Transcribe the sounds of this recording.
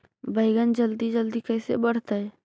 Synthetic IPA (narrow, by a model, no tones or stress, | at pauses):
bəɪɡənd͡ʒəld̪id͡ʒəld̪ikəːsḛbəɽ̤t̪aɦɛː